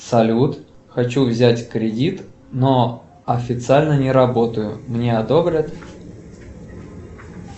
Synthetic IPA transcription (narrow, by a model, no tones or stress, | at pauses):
sɐlʲut̪ | xɐt͡ɕuvzʲætʲkɾʲɪdʲit̪ | no | ɐfʲɪt̪sɨalʲnənʲɪɾɐbo̞t̪əjʊmnʲe̞ɐd̪obɾʲət̪